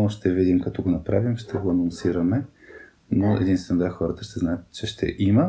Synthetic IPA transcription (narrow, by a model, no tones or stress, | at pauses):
ʃt̪ɛvid̪imkɐt̪ɔɡonɐpɾavimʃt̪ɛɡoɐnonsiɾəmɛ | noɛ̰d̪inst̪vɛnod̪vaxɔɾət̪əʃt̪ɛznaət̪t͡ʃɛʃt̪ɛ̰ʔimə